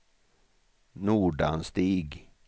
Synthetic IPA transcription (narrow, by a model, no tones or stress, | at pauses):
nuːɖanst̪iːɡ